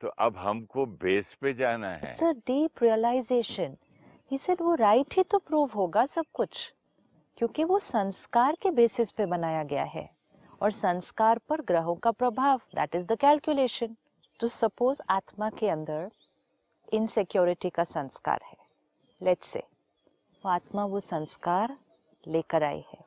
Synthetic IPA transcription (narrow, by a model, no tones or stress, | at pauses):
t̪oʔɐbɦɐmkobeːsped͡ʒaːna̰ɦɛ̰səɖiːpɾiəlaɪzeːʃə̃n | hiːsɛɖʋoɾaːɪʈɦit̪opɾuːʋɦoːɡasɐb̚kʊt͡ʃʰ | kjõːkiʋosɐ̃nskaːɾkebeːsɪspebɐnaːjaɡɐja̰ɦɛ̰ | ɔːɾsɐ̃nskaːɾpɐɾɡɾəɦõkapɾɐbʱaːʋd̪æ̰ʈɪzd̪əkɛːlkjʊleːʃə̃n | t̪osɐpoːzaːt̪makeɐ̃nd̪əɾ | ɪ̃nsɪkjɔːɾɪʈikasɐ̃nska̰ːɾhɛː | lɛʈsḛː | oaːt̪maʋosɐ̃nskaːɾ | leːkəɾa̰ːḭhɛ̰ː